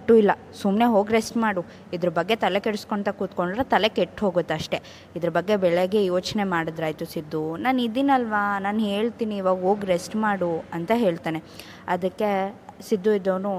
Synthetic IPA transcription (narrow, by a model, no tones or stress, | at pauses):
ʈːuilːɐ | sumneɦo̞ːɡɾesʈmaːɽu | id̪ɐɾɐbɐɡːe̞t̪ɐle̞keɽuskoɳt̪ɐkuːt̪ko̞ɳɖɾet̪ɐle̞keʈːɦo̞ːɡot̪ːɐʂʈe̞ | id̪ɐɾɐbɐɡːe̞bɛɭeɡejoːt͡ʃne̞maːɽɐd̪ɾaːjt̪usid̪ːunaːnid̪inɐlʋanaːnɦe̞ːɭt̪iːniːʋaːɡɦoːɡɾesʈmaːɽuɐnt̪ɐɦe̞ːɭt̪aːne̞ | ɐd̪ɐkːe̞sid̪ːuid̪ːɐʋnu